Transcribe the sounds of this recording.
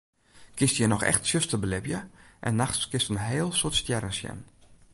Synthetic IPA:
kɪstjənɔxɛ̰xtsjøstəbəlɪbjəʔɛ̰nːaxskɪstənɦeːlˠsotstjɛɾənsjɛ̰n

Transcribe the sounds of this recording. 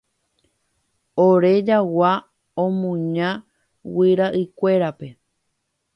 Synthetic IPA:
oɾe̞d͡ʒawa | õmũɲã | wiɾaʔɨkʷe̞ɾape̞

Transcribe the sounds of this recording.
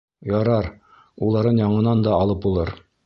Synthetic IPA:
jɑɾɑɾ | ulˠɑɾɤnjɑɴɤ̆nɑnd̪ɑːlˠɤp̚ulˠɤɾ

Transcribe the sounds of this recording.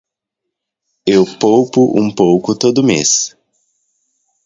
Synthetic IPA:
ewpowpʊʔṵ̃powkʊt̪od̪ʊmḛs

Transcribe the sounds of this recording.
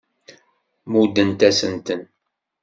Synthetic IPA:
mud̪ənt̪æsənt̪ən

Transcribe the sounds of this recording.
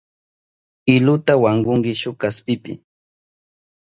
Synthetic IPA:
ɪlʊt̪awaŋɢʊŋɢɪʃʊkaspɪpɪ̰

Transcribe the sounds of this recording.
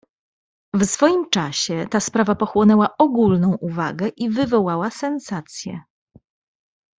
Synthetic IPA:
vsfɔjimt͡ʂaɕɛt̪aspɾavapɔxwɔnɛwaʔɔɡulnɔ̃w̃ʔuvaɡɛʔivɘvɔwawasɛnsat̪sʲjɛ̰

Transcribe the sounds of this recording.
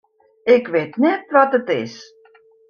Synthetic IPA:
ɪkʋeːtnɛtʋɔtətɪs

